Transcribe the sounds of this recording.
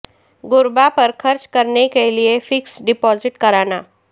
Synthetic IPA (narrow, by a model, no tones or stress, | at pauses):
ɡʊɾbapɐɾkʰɐɾt͡ʃkɐɾnekeliefɪksɖɪpɔːzɪʈkɐɾaːnaː